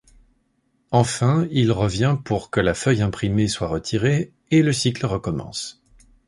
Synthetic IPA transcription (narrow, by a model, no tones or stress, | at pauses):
ɑ̃fɛ̃ilʁəvjɛ̃puʁkəlafœjɛ̃pχimeswaʁət̪ʰiʁe | eləsikləʁəkɔmɑ̰̃s